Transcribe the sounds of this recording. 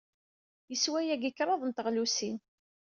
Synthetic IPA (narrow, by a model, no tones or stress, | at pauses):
jəswæjæɡəkːɾˤɑðˤənt̪əʁlusin